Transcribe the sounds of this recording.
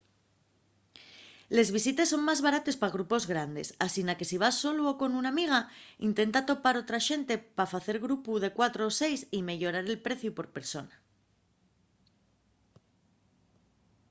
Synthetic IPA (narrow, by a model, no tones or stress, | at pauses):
le̞zβisit̪e̞sːo̞ŋmazβaɾat̪e̞spaɣ̞ɾupo̞zɣɾand̪e̞̰sasinake̞siβ̞asːo̞looko̞nunamiɣ̞aint̪e̞nt̪at̪o̞paɾo̞t̪ɾaʃe̞nt̪e̞pafaθe̞ɾɣɾupuðe̞kwat̪ɾoːse̞jsime̞ʝo̞ɾaɾe̞lpɾe̞θjupo̞ɾpe̞ɾso̞na